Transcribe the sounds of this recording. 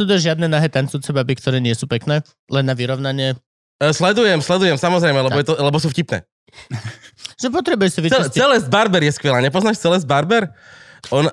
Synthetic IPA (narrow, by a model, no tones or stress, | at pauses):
suːt̪ɛʒɪad̪nɛnaɦɛːt̪ant͡sʊjuːt͡sɛbabikt̪ɔɾɛːɲɪɛsuːpɛknɛː | lɛnːaʋiɾɔʊnaɲɪɛ | slɛd̪ujɛmslɛd̪ujɛmsamɔzɾɛɪjmɛlɛbɔjɛt̪ɔlɛbɔsuːfcipnɛ̰ː | ʒɛpɔt̪ɾɛbujɛsiʋiɛɛlɛzbaɾbɛɾjɛskʋɛlaːɲɛpɔznaːʃt͡sɛlɛzbaɾbɛɾɔn